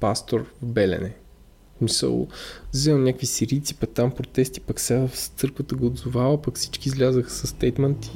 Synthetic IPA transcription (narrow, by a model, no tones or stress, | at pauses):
past̪oɾvbɛlɛ̰nɛ | smisə̰lˠzɛlˠnʲakvisiɾit̪si̥pɐk̚t̪ampɾot̪ɛst̪i̥pɐksafst̪sɤɾkvət̪əɡoːd̪zʊvavəpɐkfsi̥t͡ʃkizlʲazəxəsəst̪ɛjt̪mɛnt̪